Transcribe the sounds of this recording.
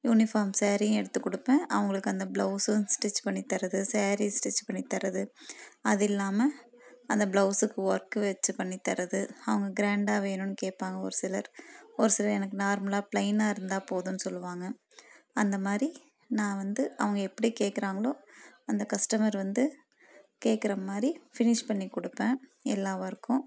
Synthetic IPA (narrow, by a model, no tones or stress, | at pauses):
juːnɪfaːɾmseːɾɪjʊ̃ɛɽɯt̪ːɯkːɔɽɯpːẽːʔɐʋɐŋɡɐɭɯkːɯɐnd̪ɐbɭɐʊsɯsʈɪt͡ʃːpɐɳːit̪ːɐɾɐðɯseːɾisʈɪt͡ʃːpɐɳːit̪ːɐɾɐðɯɐðɪlːaːmɐ | ɐnd̪ɐblɐʊsɯkːɯʋɐɾkɯʋɛt͡ʃːɯpɐɳːit̪ːɐɾɐðɯɐʋɐŋɡɐɡɪɾaːɳɖaːʋeːnʊ̃nːɯkeːʈ̚paːŋɡɐɔ̰ɾɯsɪlɐɾɔɾɯsɪlɐɾɛnɐkːɯnaːɾmɐlaːplɐɪnaːɪɾɯnd̪aːpoːðʊnːɯsɔlːɯʋaːŋɡɐ | ɐnd̪ɐmaːɾi | nãːʋɐnd̪ɯɐʋɐŋɡɐɛpːɐɽikeːʈkːɪɾaːŋɡɐɭoːɐnd̪ɐkɐsʈɐmɐɾʋɐnd̪ɯ | keːʈkːɪɾɐmaːdɾifɪnɪʂpɐɳːikɔɽɯpːẽːɛ̰lːaːʋaɪɾɯkːʊ̃